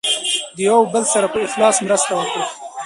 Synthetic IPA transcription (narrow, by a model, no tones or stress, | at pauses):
d̪əjawbəlsaɾapəɪxlɑːsmɾast̪awəkɽi